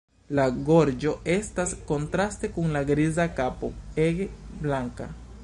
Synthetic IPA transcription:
laɡo̞ɾd͡ʒo̞ʔe̞stasko̞ntɾaste̞kuŋlaɡɾizakapo̰eɡblaŋka̰

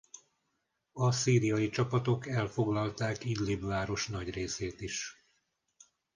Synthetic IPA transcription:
ɒsiːɾijɒjit͡ʃɒpɒt̪o̞kɛlfo̞ɡlɒlt̪aːkid̪libvaːɾo̞ʃnɒɟreːseːt̪iʃ

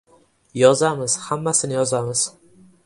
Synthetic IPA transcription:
jɒzamɪz̥hamːasɪnɪjɒzamɪz̥

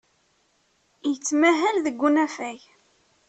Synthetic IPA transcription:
jət͡sːmæɦælðəɡʷːunæfæj

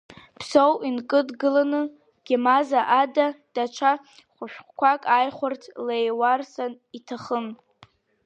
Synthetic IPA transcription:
pʰsowʔinkʼɨdɡɨlanɨ | ɡ̥ʲamazaʔadad̥at͡ʃʷʰa | χʷʊʃᶣχkʷakʼajχʷʊrtʰlejwarsan | itʰaχən

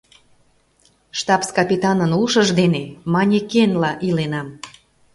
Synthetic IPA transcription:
ʃt̪ɑpskɑpʲit̪ɑnənuʃəʒd̪enemɑnʲekenlɑʔilenɑm

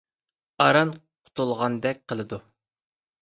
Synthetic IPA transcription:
ɑɾɑnqʰʊ̥t̪ʰulˠʁɑnd̪ɛk̚ʲqʰəlˠɨd̪u

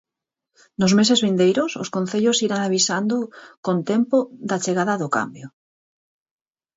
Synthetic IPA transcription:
nʊzmesezβind̪ejɾʊso̰skon̟θeʎosiɾaŋaβisand̪ʊkont̪empoðat͡ʃeɣaðaðʊka̰mbjo

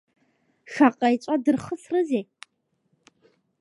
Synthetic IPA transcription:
ʃaqʼɐjt͡ʃʼɐdɨrχəsrɨzeː

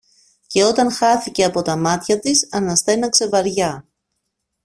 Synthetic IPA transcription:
ce̞o̞t̪ɐnxɐθice̞ɐpo̞t̪ɐmɐt̪çɐt̪isɐnɐst̪e̞nɐkse̞vɐɾʝɐ

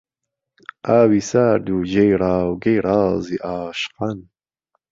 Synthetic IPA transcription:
aːwisaɾd̪ud͡ʑejɾaːwɡejɾɑziʔaːɕqan

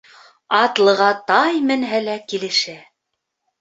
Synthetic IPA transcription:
ɑt̪lˠɤ̆ʁɑt̪ɑjmɘ̆nɦælækilɘ̆ʃæ

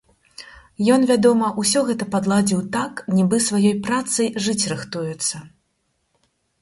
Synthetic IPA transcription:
jɔnvʲad̪ɔmɐʔusʲɔɣɛt̪ɐpad̪lˠad͡zʲiwt̪aknʲibɨsvajɔjpɾat̪sɐjʐɨt͡sʲrɨxt̪ujɛt̪sːɐ

